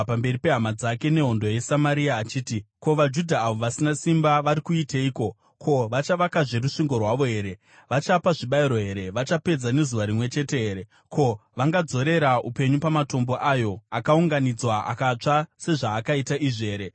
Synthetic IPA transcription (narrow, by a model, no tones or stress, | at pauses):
pambe̞ripe̞ɦamad͡zake̞ne̞ɦo̞ndo̞je̞samaɾiaːt͡ʃiːtiko̞ʋad͡ʒudʱaːʋo̞ʋasinasimbaʋaɾikuitaiːko̞ | kʰo̞ʋat͡ʃaʋakaʐe̞ruʂiŋɡo̞rwaʋo̞ɦe̞ːɾe̞ | ʋat͡ʃapaʐiɓaiɾo̞ɦe̞ɾe̞ʋat͡ʃape̞d͡zane̞zuʋaɾimwe̞t͡ʃe̞te̞ɦeːɾe̞ | kʰo̞ʋaŋɡad͡zo̞ɾe̞ɾaupe̞ɲupamato̞mbo̞ʔajo̞akauŋɡanid͡zwaʔa̰kat͡ʂase̞ʐaːkaitaʔiʐe̞ːɾe̞